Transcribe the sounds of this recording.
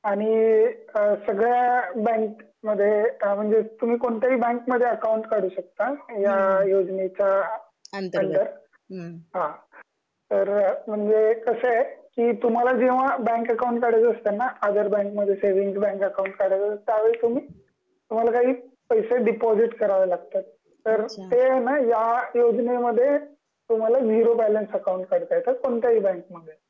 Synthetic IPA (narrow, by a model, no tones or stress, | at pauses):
aɽ̃i | səɡɭjabɛ̃ŋk | məd̪ʱːjem̤əɳd͡zet̪um̤iːkoɳt̪aɦiːbɛ̃ŋkməd̪ʱːjeəkauɳʈkaɽ̤uːɕək̚t̪ajajod͡ʑnet͡ɕa | əɳʈəɾ | ɦã | t̪əɾm̤əɳd͡zekəsekiːt̪um̤alad͡ʑeʋ̤abɛ̃ŋkəkawũɳʈkaɽət͡səst̪anaəd̪ʱəɾbɛ̃ŋkməd̪ʱjeseʋiŋɡbɛ̃ŋkəkauɳʈkaɽət͡sət̪ːjaʋeɭit̪um̤iː | t̪um̤alakaɦiː | pəjseɖipɔd͡ʑiʈkəɾaʋəlaɡ̚t̪at̪̚ | t̪ːəɾt̪enajajod͡ʑneməd̪ʱːje | t̪um̤alad͡ʑiɾobælənsəkaũɳʈ̚kəɽt̪ajt̪əkoɳt̪jaɦiːbɛ̃ŋkməd̪ʱje